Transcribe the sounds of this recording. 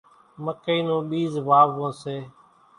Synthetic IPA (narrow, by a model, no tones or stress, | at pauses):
məkəiːnũːɓiːzʋaːʋõːseː